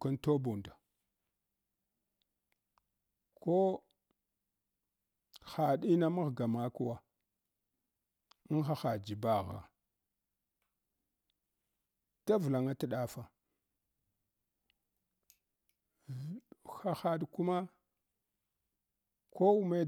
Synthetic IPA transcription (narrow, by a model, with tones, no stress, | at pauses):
ka˦nto˦bu˨nda˨ | kʰo˦ | xa˨ɗi˦na˦ma˦ɣɡa˨ma˦ku˦wa˨˦ | nxa˨xa˨d͡ʒi˨ba˨ɣa̰˨ | ta˦vla˨ŋa˦ta˦ɗa˦fa˨ | xa˨xa˨ɗku˦ma˦ | ko˦u˦me˦